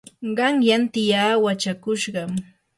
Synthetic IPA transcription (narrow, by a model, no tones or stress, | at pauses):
ɢɑŋjant̪ɪjaːwat͡ʃakʊʃɢɑm